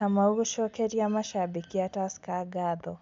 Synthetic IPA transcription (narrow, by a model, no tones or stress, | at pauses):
amauɾuʃɔkɛɾijamaʃabikiataskaɡadɔ